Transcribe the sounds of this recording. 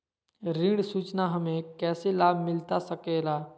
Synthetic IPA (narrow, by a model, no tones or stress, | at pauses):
ɾĩɽsuːt͡ʃnaɦɐmẽkɛːselaːbʱmɪlt̪asəkeːlaː